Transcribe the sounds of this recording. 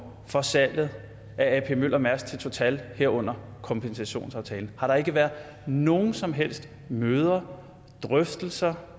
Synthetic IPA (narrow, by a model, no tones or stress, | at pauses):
fɒ̽sæl̰ð̞̩ˠ | ʔææpʰe̝møl̰ʔɐmæɐst͡sʰe̝lt͡sʰo̝t͡sʰɛlheɐ̰ɔ̽n̰ɐkʰɒ̽mpʰensæɕo̝̰ːnsɑ̈ʊt͡sʰɛːln̩hɑ̈ɾ̥ɑ̈e̝ɡ̥əʋæɐðˠ | no̝ːn̩sɒ̽mɦel̰sd̥ | møːð̞ˠɐ | d̥ʁœfd̥l̩sɐ